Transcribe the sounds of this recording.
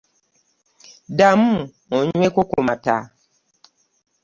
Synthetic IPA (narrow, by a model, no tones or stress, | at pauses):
damu | ɔɲuekokomata̰